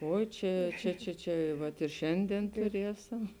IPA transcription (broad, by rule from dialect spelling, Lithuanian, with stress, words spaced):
ˈoːɪ ˈt͡ʃʲɛ ˈt͡ʃʲɛ ˈt͡ʃʲɛ ˈt͡ʃʲɛ ˈʋɐt ɪr ˈʃʲɛnʲdʲiɛn tʊˈrʲiɛsɐm